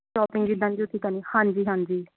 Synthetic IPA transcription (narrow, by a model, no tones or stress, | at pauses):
ʃɔːpɪ̃ŋɡɡid̪ãːnd͡ʒiʊt̪ʰːiːk̪aniːhãːnd͡ʒiːɦãːnd͡ʒiː